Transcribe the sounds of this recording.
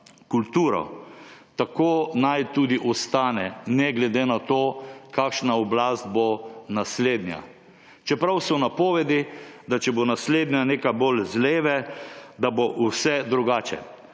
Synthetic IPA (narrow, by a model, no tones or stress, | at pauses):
kult̪uːɾɔ̰t̪akoːnajt̪uːd̪iʔɔst̪aːnɛnɛɡlɛd̪eːnat̪oːkaːkʃnaɔblaːst̪̚bonasleːd̪nja̰ | t͡ʃɛpɾawsɔnapɔːʋɛd̪id̪at͡ʃɛbonasleːd̪njaneːkabolzleːʋɛd̪aboʔusɛd̪ɾuɡaːt͡ʃɛ̰